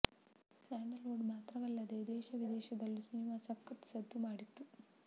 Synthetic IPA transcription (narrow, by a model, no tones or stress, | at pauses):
saːɳɖɐloːɖmaːt̪ɾɐʋɐlːɐd̪ed̪ɛːʃɐʋid̪ɛːʃɐd̪ɐlːusinimaːsɐkːɐt̪sɐd̪ʱːumaːɽit̪ːu